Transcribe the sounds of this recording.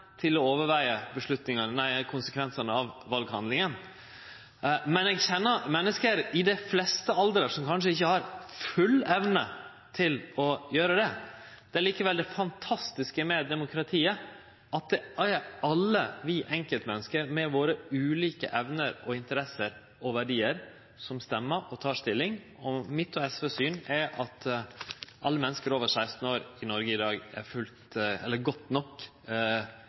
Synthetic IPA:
t̪ʰɪlɔoːʋəɾʋæɪəbəʂɭʉt̪nɪŋɑnənæɪkʰʊnsəkʰʋɛnsɑnəɑʋʋɑlɡhɑ̰nd̪lɪŋən | mɛnɛɡçɛnːəmɛnːəskəɾɪd̪ɛflɛst̪əɑld̪əɾəʂɔmkʰɑnʂ̬əɪçːəhɑɾfʉlɛʋnə | t̪ʰɪlɔjøːɾəd̪ɛ | d̪̥ɛæɭiːkəʋɛld̪ɛfɑnt̪ʰɑst̪ɪskəmɛd̪ɛmʊkʰɾɑt̪ʰiːə | ʔɑt̪̚d̪ɛæɑlːəʋiʔɛŋkəlt̪mɛnːəskəɾmɛʋoːɾəʉːliːkə̰ʔɛʋnəɾɔɪnt̪əɾɛsəɾ | ɔʋæɖiːəɾ | sɔmst̪ɛmːəʔɔt̪ʰɑːʂt̪ɪlːɪŋ | ɔmɪt̪ːɔɛsʋeːsyːnæɾʔɑt̪ | ʔɑ̰lːəmɛnːəskəɾoːʋəɾʂæɪst̪n̩oːɾɪnɔɾɡəɪd̪ɑːɡæ̰ɾfʉlt̪ɛlːəɾɡɔt̪nɔkː

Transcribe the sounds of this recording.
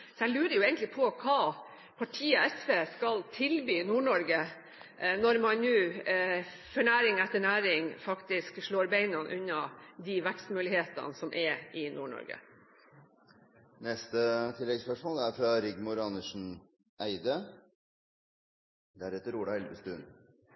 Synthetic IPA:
sɔæɪlʉːɾəɾjʊeːɡənlɪpʰɔkʰɑː | pʰɑʈʰiːəɛsʋeːskɑlt̪ʰɪlbyːnuːɳɔɾɡə | nɔɾmɑnnʉː | fœɳæːɾɪŋɛt̪ːəɳæːɾɪŋfɑkt̪ɪskʂɭoːɾbeɪnɑnʔʉnːɑd̪iʋækst̪mʉːlɪheːt̪ɑ̰nsɔmʔɛɪnʔuːɳɔ̰ɾɡə̰ | nɛst̪ət̪ʰɪlːɛɡspœʂmoːlæɾfɾɑɾɪɡmʊɾɑnəʂn̩ | ʔæɪd̪ə | d̪æɾɛt̪ːəɾuːɽɑɛlbəst̪ʉn

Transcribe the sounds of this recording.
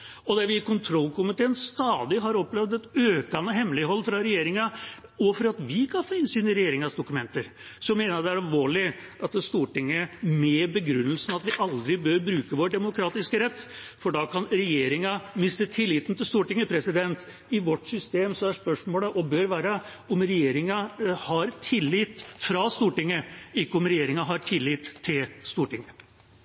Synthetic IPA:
ɔd̪æɾʋɪɪkʊnt̪ʰɾɔlːkʊmɪt̪ʰeːnst̪ɑːd̪ɪɦɑɾɔplɛʋd̪ɛt̪øːkɑnəɦɛmlɪɦɔlːfɾɑɾɛjeːɾɪŋɑ | ɔfɔɾɑt̪ʋɪkʰɑnfoːɪnsyːnəɾɛjeːɾɪŋɑsd̪ʊkʉmɛnt̪əɾ | sɔmeːnəɾd̪ɛæɾɑlʋoːɭɪ | ʔɑt̪st̪uːʈɪŋːəmɛːbəɡɾʉnːəlsənɑt̪ʋɪʔɑld̪ɾɪbøɾbɾʉːkəʋoːɖɛmʊkʰɾɑːt̪ɪskəɾɛt̪ː | fɔɖɑkʰɑnɾɛjeːɾɪŋɑmɪst̪ət̪ʰɪlːiːt̪nt̪ʰɪlst̪uːʈɪŋːəpʰɾɛsɪd̪ɛnt̪ | ɪʋɔʈːsʏst̪eːmsɔæspœʂmoːləʔɔbøːɾʋæːɾə | ɔmɾɛjeːɾɪŋɑhɑɾt̪ʰɪlːiːt̪fɾɑst̪uːʈɪŋːəɪkːəɔmɾɛjeːɾɪŋɑɦɑʈʰɪlːiːt̪ʰːɪlst̪uːʈɪŋːə

